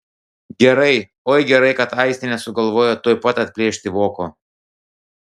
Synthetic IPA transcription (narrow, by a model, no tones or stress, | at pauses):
ɡʲɛɾɐɪ | oːjɡʲɛɾɐɪkɐt̪ɐɪsʲt̪ʲɪnʲɛsʊɡɐlˠʋoːjoːt̪oːjpɐt̪ɐt̪ʲpʲlʲeːʃʲt̪ʲɪʋoːkoː